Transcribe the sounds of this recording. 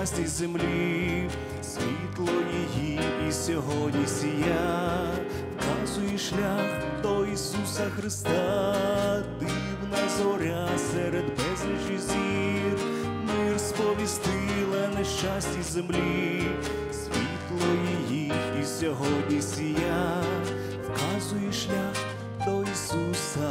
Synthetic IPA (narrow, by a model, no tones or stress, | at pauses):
sʲtʲizemlʲi | sʲʋʲit̪lˠɔjijiisʲɔɦɔdʲnʲisʲija | kɑzʊjɛʃlʲax | t̪ɔisusɐxɾɪst̪ɑ | d̪ɪ | wnɐzɔɾʲasɛɾɛd̪bɛzʲliʒizʲir | mirspɔʋʲist̪ɪlˠɐnɛʃt͡ʃasʲtʲizemlʲi | sʲʋʲit̪lˠɔjijiisʲɔɦɔdʲnʲisʲija | wkɑzʊjɛʃlʲax | d̪ɔisusɐ